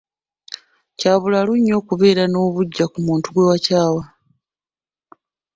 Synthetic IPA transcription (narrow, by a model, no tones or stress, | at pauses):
caːβulaluɲːo̞ːkuβe̞ːɾano̞ːβuɟːakumuːntuɡwe̞wacaːwa